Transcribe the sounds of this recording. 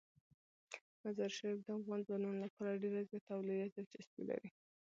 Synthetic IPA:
mazaɾʃaɾifd̪əafɣɑnzɑnunlapɑɾaɖeɾazjɑt̪awlijazad͡ʒɪsbḭla̰ɾi

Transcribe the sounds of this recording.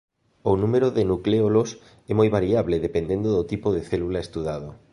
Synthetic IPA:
onũmeɾoðenukleolos | ɛmojβaɾiaβlɪðepend̪end̪oðot̪ipoðeθɛlulaest̪uðaðo

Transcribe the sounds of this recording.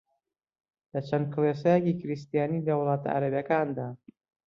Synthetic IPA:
lɐt͡ʃʰɐnd̪̚kɨles̬ajekiːkɪɾist̪ijaːniːlɐwʊlˠɑːt̪ʰa̰ʔa̰ɾɐbjɐkaːnd̪aː

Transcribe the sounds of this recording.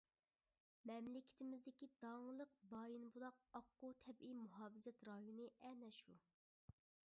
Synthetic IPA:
mɛmlɪkʲʰɪ̥t̪ɪmɪzd̪ɪkʲid̪ɑŋlˠəq̚bɑːjinbulˠɑq̚ɑqːut̪ʰɛbijmuɦɑːbɨzɛt̪ɾɑjunɨʔɛnɛʃu

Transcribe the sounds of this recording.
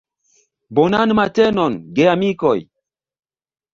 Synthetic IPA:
bɔnanɨmatɛnɔnɡeamikɔj

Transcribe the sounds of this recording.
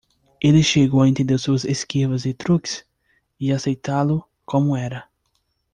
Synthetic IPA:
elɪʃeɡowaẽnt̪ẽnd̪eɾsuɐzeskivɐzɪt̪ɾukɪ̥s | ɪasejt̪alʊ | kõmʊɛɾɐ

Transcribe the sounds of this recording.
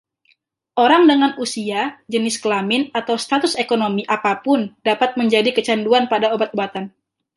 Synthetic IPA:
ʔoɾaŋdəŋanusiad͡ʒənɪskəlamɪnat̪awst̪at̪ʊsekonomiʔapapʊndapat̪̚məɲd͡ʒadikət͡ʃanduanpadaobat̪̚obat̪an

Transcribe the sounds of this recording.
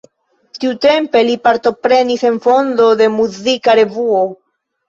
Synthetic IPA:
tiute̞mpe̞lipaɾto̞pɾe̞nise̞nfo̞ndo̞de̞muzikaɾe̞vuo̞

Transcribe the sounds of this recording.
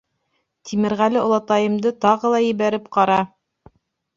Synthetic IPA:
t̪ʰimɘ̆ɾʁælɘŏlˠɑt̪ɑjɤ̆md̪ɤt̪ɑʁɤlˠɑjɘ̆βæɾɘp̚qɑɾɑ

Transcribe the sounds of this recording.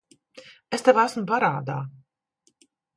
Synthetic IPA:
est̪evæsmpaɾaːd̪a̰ː

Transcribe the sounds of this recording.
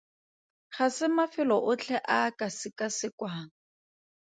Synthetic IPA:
χasɪmafɪlɔʔʊt͡ɬʰɛʔakʼasɪkʼasɪkwaːŋ̩

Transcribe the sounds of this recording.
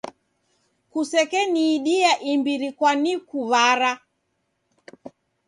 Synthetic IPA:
kusɛkɛniːɗiaʔimbiɾikwanikuβaɾa

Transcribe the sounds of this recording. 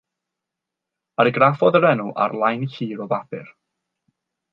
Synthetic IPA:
aɾɪɡɾafɔðəɾɛnuʔa̰ɾlˠajniɬiːɾɔvapɪ̰r

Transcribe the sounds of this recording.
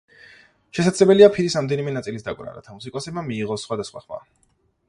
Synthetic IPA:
ʃɛsad̪zlɛbɛliapʰiɾisɾamd̪ɛnimɛnat̪sʼilisd̪akʼvɾa̰ɾa̰t̪ʰamus̬ikʼɔsɛbmamiːʁɔsχwad̪asχwa̰χma̰

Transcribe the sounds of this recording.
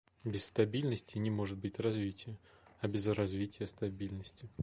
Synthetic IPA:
bʲɪsst̪ɐbʲilʲnəsʲtʲɪnʲɪmo̞ʐɨt̪̚bɨtʲrɐzvʲitʲɪjə | ɐbʲɪzrɐzvʲitʲɪjəst̪ɐbʲilʲnəsʲtʲɪ

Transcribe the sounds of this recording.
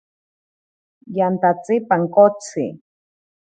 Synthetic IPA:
jant̪at͡sʼipaŋkot͡sʰḭ

